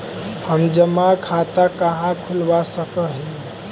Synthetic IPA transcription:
həmd͡ʒəmakʰat̪akəɦãkʰulbasəkəɦi

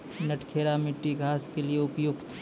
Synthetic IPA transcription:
nɐʈkʰeːɾamɪʈːiɡʱaːskelieʊpjʊɡt̪ʰ

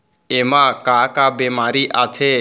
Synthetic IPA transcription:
eːmãːkaːkaːbeːmaːɾiːʔaːt̪ʰeː

